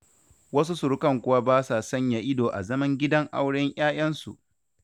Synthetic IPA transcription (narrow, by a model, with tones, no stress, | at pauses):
wɐ˦s̬u˦sʊ˨ɾʊ˦kɐ˦ŋkʷʊ˦wa˦baː˦sa˨sɐ˦ɲja˨ʔɪ˦doː˨ʔa̰˨zɐ˦mɐ˦ŋɡʲɪ˦dɐ˦ŋʔa̰˦wɽɪ˦ɲj̰aː˦j̰ɐ˦nsṵ˨